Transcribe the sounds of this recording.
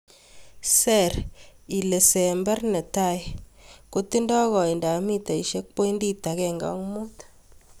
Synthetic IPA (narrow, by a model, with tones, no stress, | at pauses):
sɛ˦˨ɾi˨le˨sɛ˨mbɛ˦rnɛ˨ta˦˨jko˦ti˦ndɔ˦ɣɔ˨i˨nda˨mi˦ta˨i˨ʃe˦k̚po˦i˦ndi˦ta˨kɛ˦˨ŋɡa̰˦ŋmo˦t